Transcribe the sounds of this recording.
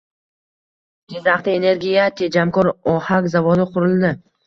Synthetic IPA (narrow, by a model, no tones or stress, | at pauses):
t̪ʰezaχt̪ʰɪene̞ɾɡʲijat̪ʰed͡ʒamkɒɾɒhakʲzavɒd̪ɪqʰʊɾɪlˠd̪ɪ